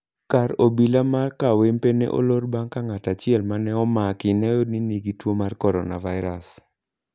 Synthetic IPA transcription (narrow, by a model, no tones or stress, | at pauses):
kaɾobilamarkawempenḛʔo̰lorbaŋkaŋatat͡ʃɪɛlmanɛɔmakɪnɛjɔniniɡitwomarkɔɾɔ̰na̰vaɪɾa̰s